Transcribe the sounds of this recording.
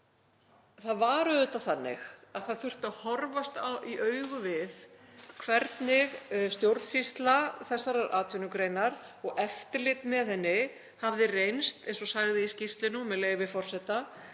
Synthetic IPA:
θaðvaːɾʏʏt̪aθanːɪ̰xaðθaðθʏr̥t̪aðhɔɾvast̪awiʔœɥɣʏvɪðkʰvɛɾt̪nɪɣst̪jowɾðsist̪laθɛsːaɾaɾʔaːt̪ʰʏnʏkɾejnaɾɔɣɛft̪ɪlɪt̪mɛðθɛnːɪ | havðɪrejnst̪ejnsɔsaːɣðɪiscist̪lɪnumɛðleːjɣvɪfɔr̥sɛt̪a

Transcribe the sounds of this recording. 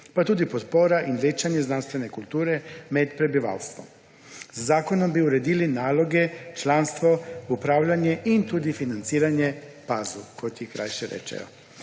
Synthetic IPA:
pat̪uːd̪ipot̪poɾaʔinʋeːt͡ʃaɲeznanst̪ʋe̞nekulˠt̪uːɾemed̪pɾe̞biʋa̰lst̪ʋo̰ | sazaːkonombiuɾed̪ilinaːlo̞ɡe̞t͡ʃlˠanst̪ʋo̞upɾaːʋʎaɲeʔint̪ud̪ifinant̪siːɾaɲe | pazukojt̪ʲiikɾa̰jʃeɾḛt͡ʃḛjo̰

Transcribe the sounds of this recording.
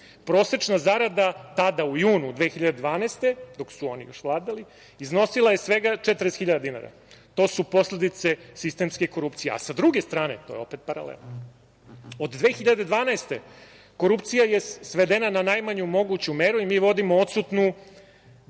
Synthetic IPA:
pɾo̞ːse̞t͡ʂnazaɾad̪at̪ad̪aujuːnud̪ʋe̞xiʎad̪ed̪ʋaːnaːst̪e̞d̪o̞ksuo̞nḭjo̞ʃʋlˠaːd̪ali | izno̞silˠaje̞sʋe̞ɡat͡ʂet̪ɾesxiʎad̪ad̪ina̰ɾa̰ | t̪o̞ːsupo̞sle̞d̪it̪se̞sist̪e̞mske̞ko̞ɾupt̪sijea̰sad̪ɾuɡe̞st̪ɾaːne̞̰t̪o̞ːjeo̞pet̪̚paɾa̰lḛlˠno | od̪d̪ʋe̞ːxiʎad̪e̞d̪ʋaːnaest̪e | ko̞ɾupt̪sijaje̞sʋe̞d̪enananajmaɲumo̞ɡut͡ɕumeːɾuimiːʋo̞d̪imoot̪sut̪nu

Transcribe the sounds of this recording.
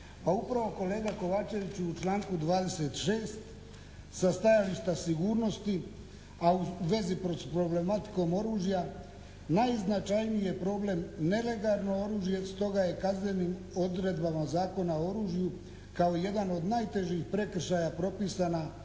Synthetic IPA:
paupɾaʋo̞ko̞le̞ːɡako̞ʋaːt͡ʃe̞ʋit͡ɕuut͡ʃlaːŋkud̪ʋaːd̪e̞se̞t̪ʃeːst̪ | sast̪ajaliʃt̪asiɡuːɾno̞st̪i | auʋe̞zipɾot̪pɾo̞ble̞mat̪i̥ko̞mo̞ɾuːʒija | najznat͡ʃajnije̞pɾo̞ːble̞mne̞le̞ɡalno̞o̞ɾuːʒije̞st̪o̞ɡaje̞kazne̞niːm | o̞d̪ɾe̞d̪bamazaːko̞nao̞ɾuːʒiju | kao̞ije̞d̪ano̞d̪naːjt̪e̞ʒixpɾe̞kr̩ʃajapɾo̞pisana

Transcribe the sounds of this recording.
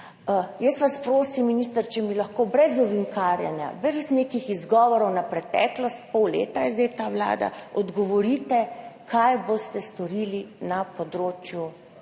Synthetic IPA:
jəsʋaspɾoːsimːiniːst̪əɾt͡ʃɛmilɐxkoːbɾɛzɔʋiŋkaːɾja̰nja̰bɾɛzneːkixizɡɔːʋɔɾɔwnapɾɛt̪ɛ̰ːklɔst̪̚pɔwlḛːt̪ajɛzd̪ɛjt̪aːwla̰ːd̪a̰ɔd̪ɡɔʋɔɾiːt̪ɛkʰajbost̪ɛst̪ɔɾiːlinapɔd̪ɾoːt͡ʃju

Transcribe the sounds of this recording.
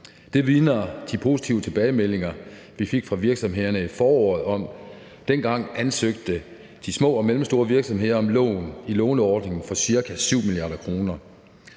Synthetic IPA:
d̥e̝ʋiːnɐːd̥ipʰo̝sit͡sʰiʊət͡sʰe̝b̥ɛːɪmel̰e̝ŋɐ | ʋife̝ɡ̥fʁɑ̈ʋiɐɡ̥sɒ̽mɦe̝ð̰ˠɐnəifɒːɒːð̩ˠɒ̽m̰ | d̥enɡ̥ɑ̈ŋ̰ænsøɡ̥̚d̥ə | d̥ismɔ̰̽ːɒ̽melm̩sd̥o̝ːɐʋiɐɡ̥sɒ̽mɦe̝ð̰ˠɐɒ̽mlɔ̰ːnilɔːnɒːd̥ne̝ŋn̩fɒ̽siɐkʰæsyʊ̰miliɑ̈ːɾ̥ɐkʰʁo̝ːnɐ

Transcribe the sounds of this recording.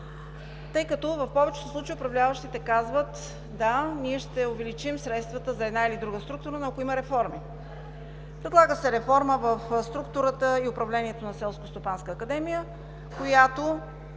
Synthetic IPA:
t̪ɤjkɐt̪ɔvɐfpɔvɛt͡ʃɛ̥t̪oslˠut͡ʃjʊpɾɐvlʲavəʃt̪it̪ɛkazvət̪ | d̪aniɛʃt̪ɛʊvɛlit͡ʃimsɾɛt̪st̪vət̪əzɐɛd̪nailid̪ɾuɡəst̪ɾukt̪ʊɾənakoiməɾɛfɔɾmi | pɾɛd̪lˠaɡəsɛɾɛfɔɾməvəfst̪ɾukt̪ʊɾət̪əiʊpɾɐvlɛniɛt̪onɐsɛlˠskost̪opanskəːkɐd̪ɛmijə | kojat̪o

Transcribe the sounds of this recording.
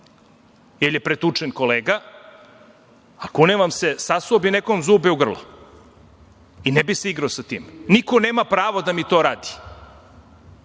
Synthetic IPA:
jeljepɾet̪ut͡ʂenko̞leːɡa | akuneʋamsesasoobinekomzuːbɛuɡr̩lo̰ | inebiseiɡɾaosat̪ḭːmnikoneːmapɾaːʋod̪amit̪oːɾaːd̪i̥

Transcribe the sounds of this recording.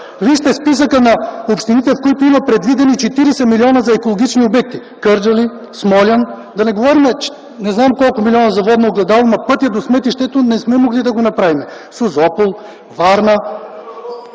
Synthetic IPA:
viʃt̪ɛspisəkənɐopʃt̪init̪ɛfkoit̪oimɐpɾɛd̪vid̪ɛnit͡ʃɛt̪iɾɛsɛmilʲiɔnəzɐɛkolˠoɡʲit͡ʃniobɛk̚t̪i | kɤɾd͡ʒɐli | smɔlʲɐn | d̪ɐnɛɡovɔɾimɛt͡ʃ | nɛznamkɔlˠkʊmiliɔnɐzɐvɔd̪nooɡlɛd̪alˠomɐpɤt̪iɐd̪osmɛt̪iʃt̪ɛt̪onɛsmɛmoɡlid̪ɐɡonɐpɾavimɛ | sozɔpolˠ | vaɾnə

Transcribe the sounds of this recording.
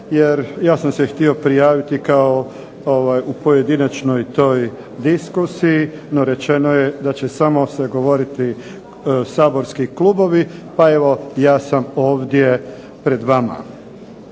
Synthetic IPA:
jeɾjaːsamsext̪io̞pɾijaːʋit̪ikao | oʋajupo̞je̞d̪inat͡ʃno̞jt̪o̞j | d̪iskusiino̞ɾe̞t͡ɕe̞nojed̪at͡ɕesamo̞seɡo̞ʋo̞ɾit̪i | saːbo̞ɾskiklubo̞ʋipae̞ʋo̞jaːsamo̞ːʋd̪je̞ | pɾe̞d̪ʋama̰

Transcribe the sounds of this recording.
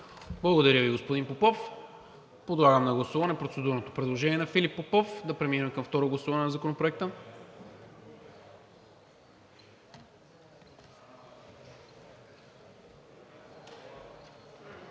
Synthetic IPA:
blˠɐɡod̪ɐɾʲjəviɡospod̪inpopɔf | pod̪lˠaɡəmnɐɡlˠɐsuvɐnɛpɾot̪sɛd̪uɾnot̪opɾɛd̪lˠoʒɛniɛnɐfilipːopɔfd̪ɐpɾɛminɛmkɐmft̪ɔɾoɡlˠɐsuvɐnɛnɐzɐkonopɾoɛk̚t̪ə

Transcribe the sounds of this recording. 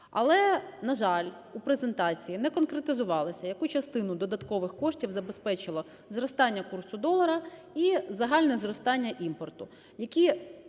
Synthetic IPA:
ɐ̰lˠɛnɐʒɑlʲ | upɾezent̪ɑt͡sʲijinɛkɔnkɾet̪ɪzʊʋɑlˠɐsʲɐjɐkut͡ʃɐst̪ɪnʊd̪ɔd̪ɐt̪kɔʋɪxkɔʃtʲiwzɐbespɛt͡ʃɪlˠɔ | zrɔst̪ɑnʲːɐkursʊd̪ɔlˠɐɾɐ | izɐɦɑlʲnɛzrɔst̪ɑnʲːɐʔimpɔrt̪ʊ | jɐkʲi

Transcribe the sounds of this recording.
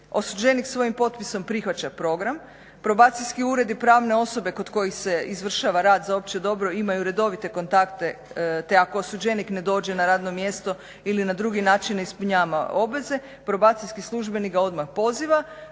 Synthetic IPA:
o̞sud͡ʑe̞niksʋo̞jimpo̞t̪piso̞mpɾixʋat͡ɕapɾo̞ɡɾam | pɾo̞baːt̪sijskiuːɾe̞d̪ipɾaːʋne̞o̞so̞be̞ko̞d̪ko̞jixse̞izʋr̩ʃaʋaɾaːd̪zao̞p̚t͡ʃed̪o̞bɾo̞imajuɾe̞d̪o̞ʋit̪e̞ko̞nt̪akt̪e̞ | t̪e̞ako̞osud͡ʑenikne̞d̪o̞ːd͡ʑe̞naɾaːd̪no̞mjest̪o̞ | ilinad̪ɾuɡinaːt͡ʃinispuɲaːʋa̰obʋeze̞ | pɾo̞baːt̪sijskislˠuʒbe̞niɡɡao̞d̪maxpo̞ziʋa

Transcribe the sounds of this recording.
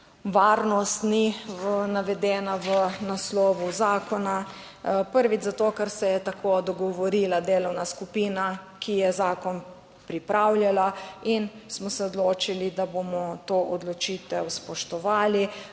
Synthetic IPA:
ʋaːɾnɔst̪ninaʋɛd̪ɛːnaʋənaslɔːʋuzaːkɔna | pəɾʋid͡ʒzat̪oːkɛɾsɛjɛt̪akʰod̪ɔɡɔʋɔɾiːlad̪eːlɔwnaskupina | kʰijɛzaːkɔn | pɾipɾʔawljalainsmɔsɛɔd̪loːt͡ʃilid̪abomɔt̪oːʔɔd̪lɔt͡ʃiːt̪ɛwspɔʃt̪ɔʋaːli

